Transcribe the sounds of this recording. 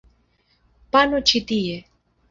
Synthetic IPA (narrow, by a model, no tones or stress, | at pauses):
panot͡ʃit̪ie